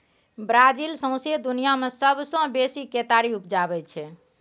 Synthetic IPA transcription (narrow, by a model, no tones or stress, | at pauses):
bɾad͡ʒilsə̃w̃sed̪unijamesəbsə̃besiket̪aɾiupd͡ʒabɛt͡ʃʰɛ